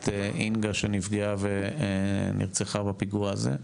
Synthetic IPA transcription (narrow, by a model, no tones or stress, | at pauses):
t̪eʔinɡaʃenifɡeave | nḭʁt͡seχabapiɡuaazḛ